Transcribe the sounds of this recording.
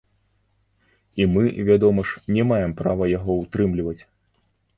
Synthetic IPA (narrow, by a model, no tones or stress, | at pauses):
imɨvʲad̪ɔmɐʂnʲɛmajɛmpɾavɐjaɣɔwt̪ɾɨmlʲivɐt͡sʲ